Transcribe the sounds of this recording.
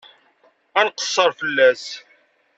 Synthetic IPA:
ænqə̥sˤːəɾˤfəlːæs

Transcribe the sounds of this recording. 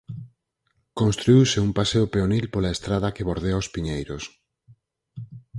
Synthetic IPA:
kõnst̪ɾuiwsɪumpaseopeonilpolaest̪ɾaðɐkeβoɾðeaospiɲejɾos

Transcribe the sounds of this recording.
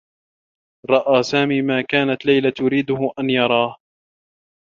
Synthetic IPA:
ɾˤɑʔaːsaːmiːmaːkaːnat̪lajlat̪ʊɾiːd̪ʊhʊʔanjɑɾˤɑːh

